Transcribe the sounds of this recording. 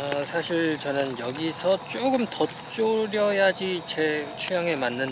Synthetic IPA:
ʌsʰaɕʰiɭt͡ɕʌnɯnjʌɡisʰʌt͡ɕ͈oɡɯmtʌ | t͡ɕ͈oɾjʌjad͡ʑit͡ɕet͡ɕʰujʌŋe̞manːɯn

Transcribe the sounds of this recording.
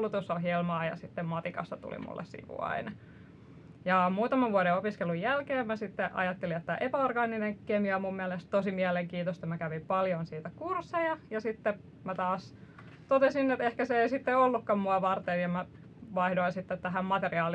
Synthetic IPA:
lut̪usoɦjelmɑːjɑ̰sit̪ːemmɑt̪ikɑ̰st̪ɑt̪ṵlḭmṵlːʔḛssḭʋṵɑ̰inɑ | jɑmuːt̪ɑmɑʋʋuɑɾeopiskelujjælkeːmmæsit̪ːeʔɑ̰jɑt̪ːeliet̪ːæʔepæorɡɑːnineŋkemiomummiælest̪t̪osimiæleŋkiːt̪ost̪ɑmækæʋimpɑljonsiːt̪ækursːejɑjɑsit̪ːe | mæt̪ɑːs | t̪ot̪esinːet̪ehkæseeisit̪ːeolːukːɑmmuɑʋɑrt̪enjɑmæ | ʋɑihdoinsit̪ːet̪t̪æɦæmmɑt̪eriɑːl

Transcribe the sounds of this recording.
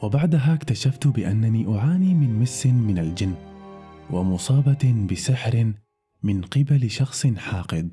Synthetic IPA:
wɪbaʕd̪aɦakt̪aʃaft̪bɪʔanːaniʔʊʕaːniːmɪnmɪsːɪmɪnald͡ʒɪnː | wɪmʊsˤɑːbɑbɪsɪħɾ | mɪnqɪbalʃɑxsˤɨnħaːqɪd̪

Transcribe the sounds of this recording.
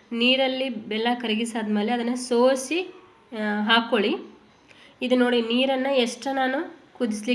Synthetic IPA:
niːɾɐlːibɛlːɐkɐɾiɡisaːd̪ɐme̞ːleɐd̪ɐnːɐsoːsi | ɦaːkoɭi | id̪uno̞ːɽiniːɾɐnːɐeʂʈɐnaːnukud̪isli

